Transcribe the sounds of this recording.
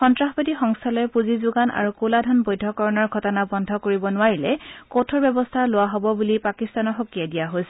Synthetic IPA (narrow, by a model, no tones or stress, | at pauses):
xɔntɹaxbatixɔŋstʰalɔjɛpuzizuɡana̰ɹukuladʱɔnbojdʱɔkɔɹɔnɔɹɡʱɔtɔnabɔndʱɔkoɹibɔnʊaɹilɛkotʰɔɹbɛbɔstʰalʊwaɦobɔbulipakistanɔxokijadijaɦojsɛ